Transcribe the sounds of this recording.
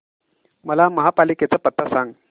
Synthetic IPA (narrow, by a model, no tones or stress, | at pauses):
məlaməɦapaliket͡sapət̪ʰːasaŋɡ